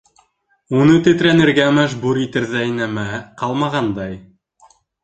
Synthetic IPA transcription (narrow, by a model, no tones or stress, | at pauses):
unɤt̪ɘ̆t̪ɾænɘ̆ɾɡæmæʒbuɾit̪ɘ̆ɾðæjnæmæqɑlˠmɑʁɑnd̪ɑj